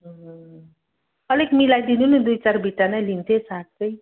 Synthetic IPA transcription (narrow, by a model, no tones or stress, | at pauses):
ɦʌ | ʌlekmilajd̪inunud̪ujt͡sarbʱiʈːanajlint̪ʰesat̪̚t͡sʌj